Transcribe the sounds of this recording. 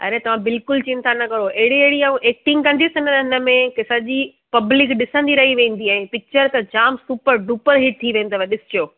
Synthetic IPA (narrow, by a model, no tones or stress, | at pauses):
ɐ̰ɾet̪ɐʋ̤ãbɪlkʊlt͡ɕint̪ʰanɐkɐɾoʔeɦɪɽiɐɦɪɽiaːũʔeːk̚ʈɪ̃ŋɡkɐ̃nd̪isɪnəɪnəmẽkɪsəd͡ʑiː | pɐblɪkɗɪsə̃nd̪iɾɐɦiʋẽːn̆d̪iɛ̃ːpɪk̚t͡ɕəɾt̪ɐd͡ʑaːmsuːpəɾɖuːpəɾɦɪʈ̚t̪ʰiʋẽːnd̪aʋeɗɪsɪ̥d͡ʑijoː